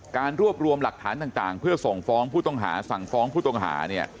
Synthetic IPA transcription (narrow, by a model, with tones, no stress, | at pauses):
kaː˧nɾu˥˩əp̚ɾu˧əmla˨˩k̚t̪ʰaː˩˦nt̪aː˨˩ŋt̪aː˨˩ŋpʰɯ˥˩ɐso˨˩ŋfɔː˦˥ŋpʰuː˥˩t̪ɔ˥˩ŋɦa̰ː˩˦sa˨˩ŋfɔː˦˥ŋpʰuː˥˩t̪ɔ˥˩ŋɦa̰ː˩˦ni˥˩ɐ